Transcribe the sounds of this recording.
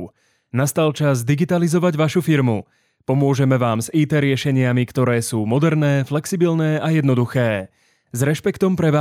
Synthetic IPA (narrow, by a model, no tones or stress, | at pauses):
nast̪alt͡ʃazd̪iɡit̪alizɔʋaɟʋaʃufiɾmu | pɔmʊɔʒɛmɛʋaːmziːt̪ɛːɾɪɛʃɛɲɪamikt̪ɔɾɛːsuːmɔd̪ɛɾnɛːflɛksibilnɛːajɛd̪nɔd̪uxɛː | zɾɛʃpɛkt̪ɔmpɾɛʋa